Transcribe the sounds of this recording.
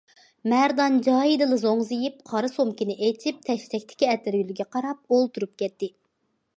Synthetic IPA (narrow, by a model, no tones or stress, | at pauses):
mæɾd̪ɑnd͡ʒɑːjid̪ɨlˠɨzoŋzɨjipqʰɑɾɨsomkʲinɪʔet͡ʃʰip̚t̪ʰɛʃt̪ʰɛkʲt̪ʰɪ̥kʲiɛt̪ɪɾjylɪɡʲɛqʰɑɾɑp̚olˠt̪ʰuɾup̚kʲʰɛt̪ːɪ